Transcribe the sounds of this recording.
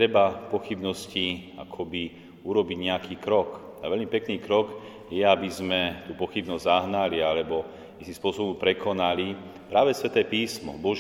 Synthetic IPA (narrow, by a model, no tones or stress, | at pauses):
t̪ɾɛbapɔxibnɔsci | a̰kʰɔbi | uɾɔbiɟɲɛakiːkɾɔk | aʋɛʎmipɛkniːkɾɔk | jɛabizmɛt̪uːpɔxibnɔzʲzaɦnalialɛbɔ | isĩmspʊɔsɔbɔmpɾɛkʰɔnali | pɾaːʋɛsʋɛt̪ɛːpiːsmɔ̰bɔʒ